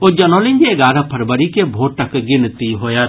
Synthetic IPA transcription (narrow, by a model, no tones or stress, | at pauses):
od͡ʒɐnoːlɪ̃ŋɡeɡaːɾapʰɐɾbəɾikebʱoːʈəkɡɪnt̪iɦoːja